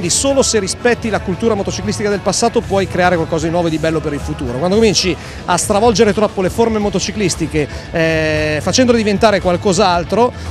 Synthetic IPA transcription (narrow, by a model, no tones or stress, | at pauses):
nd̪isoːloserispɛt̪ːilakult̪uːɾamot̪ot͡ʃiklist̪ikad̪elpasːaːt̪opwɔjkɾeaːɾekwalkɔːzad̪inwɔvoed̪ibɛlːopeɾilfut̪uːɾo̰kwand̪okomint͡ʃi | ast̪ɾavɔld͡ʒeɾet̪ɾɔpːoleformemot̪ot͡ʃiklist̪ike | fat͡ʃɛnd̪oled̪ivent̪aːɾekwalkɔzaalt̪ɾo